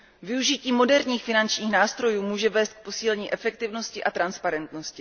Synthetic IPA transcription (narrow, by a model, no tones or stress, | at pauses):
vɪuʒɪciːmo̞dɛɾɲiːxfɪnant͡ʃɲiːxnaːst̪ɾo̞juːmuːʒɛvɛːst̪̚k̚po̞siːlɛɲiːʔɛfɛk̚t̪ɪvno̞scɪʔat̪ɾanspaɾɛnt̪no̞scɪ